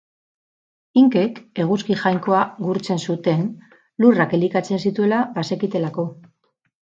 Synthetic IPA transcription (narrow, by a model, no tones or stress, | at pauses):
iŋke̞ke̞ɣ̞uskixajŋko̞aɣuɾt͡se̞nsut̪e̞n | lurake̞likat͡se̞nsit̪ue̞labase̞kit̪e̞lako̞